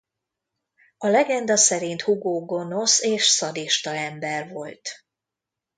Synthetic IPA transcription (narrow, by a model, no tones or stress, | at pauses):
ɒlɛɡɛnd̪ɒsɛɾint̪huɡoːɡo̞no̞seːʃsɒd̪iʃt̪ɒɛmbɛrvo̞lt̪